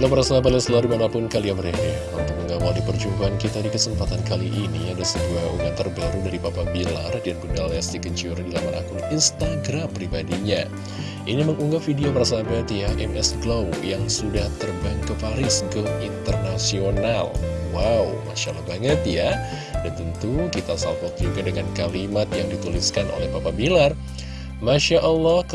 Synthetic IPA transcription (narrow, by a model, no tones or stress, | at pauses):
laməɾasabat̪jasəladimanapʊnkaliaməɾeni | unt̪ʊk̚məŋɡawaldipərd͡ʒumbaankit̪adikəsəmpat̪ankaliʔiniadasəbuaṵŋat̪ərbaɾudaɾipapabilardiankundalast̪ikəɲt͡ʃiuɾdilamanʔa̰kʊninst̪aɡɾampɾibadiɲa | ʔiniməŋuŋɡafidioməɾasabat̪jaʔɛmɛsɡlawjaŋsudaht̪ərbaŋkəpaɾɪskəint̪ərnasionalwauma̰ʃalahbaŋət̪ja | dat̪ənt̪ukit̪asa̰lfɔt̪̚iɡadəŋankalimat̪jaŋdit̪uliskano̰lɛhpapabilar | maʃaʔɔlːɔhk